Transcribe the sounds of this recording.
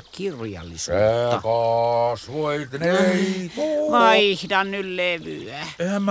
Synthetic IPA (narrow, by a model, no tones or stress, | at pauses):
kirjɑ̰lːḭseekɑsʋoit̪neimɑihdɑnnylleʋyæehæm